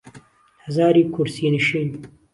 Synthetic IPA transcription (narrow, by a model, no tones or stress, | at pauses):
hɐzaːɾiːkʰuɾsiniʃin